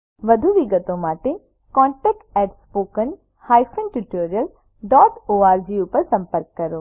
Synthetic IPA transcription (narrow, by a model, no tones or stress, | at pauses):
ʋɐd̪ʱuʋiɡət̪õmaːʈe | kɔ̃ːɳʈɛːk̚ʈɛːʈspoːkən | haːjsənʈuʈoːɾijəl | ɖɔːʈoːaːɾd͡ʒiupəɾsɐ̃mpəɾkːɐɾoː